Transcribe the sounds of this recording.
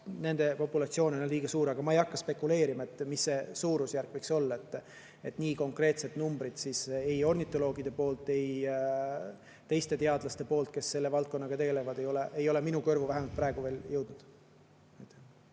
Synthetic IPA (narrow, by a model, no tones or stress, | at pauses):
ne̞nd̪̥e̞po̞pːˑulɑt̪sio̞ːnenolliːɡ̥ɑsuːɾɑɡ̥ɑmɑejɑkːɑspe̞kːˑule̞ːɾimɑe̞t̪ːˑmisːe̞suːɾusjærkvejkso̞lːɑe̞t̪ːˑ | e̞t̪ːˑniːko̞ŋkre̞ːt̪se̞t̪numbɾid̪̥sisejo̞rnit̪ːˑo̞lo̞ːɡ̥id̪̥e̞po̞ːlt̪ːe̞j | t̪e̞jst̪e̞t̪e̞ɑd̪̥lɑst̪e̞po̞ːlt̪̚ke̞sːe̞lːe̞vɑlt̪̚ko̞nːɑɡ̥ɑt̪e̞ɡe̞levɑd̪e̞jo̞le̞ʔejo̞le̞minukø̞rvuvæɦemɑlt̪̚prɾæeɡ̥uve̞ːljɤwd̪̥nud̪̥ | ɑjt̪ˑːæ̥